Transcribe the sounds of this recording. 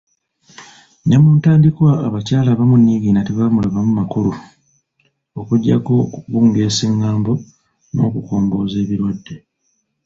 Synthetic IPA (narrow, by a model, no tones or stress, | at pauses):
ɲamuːntaːndikwaːβacaːlaβamunːiɡiːnatiβamulaβamumakulu | okuɟːako̞βuːŋɡe̞ːsiŋɡaːmbo̞ | no̞̰ːkuko̞ːmbo̞ːze̞ːβiɾwadːe̞